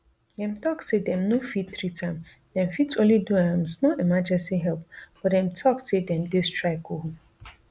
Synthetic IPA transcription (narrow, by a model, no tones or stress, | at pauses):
dɛ̃mt̪ɔksedɛ̃mnofit̚θɹitʰãɪ̃m | dɛ̃mfitsõnliduãmsmɔlimad͡ʒɛ̃nsiɦɛlp̚b̥ɔdɛ̃mtʰɔksedɛ̃mdestʰɹaɪkoho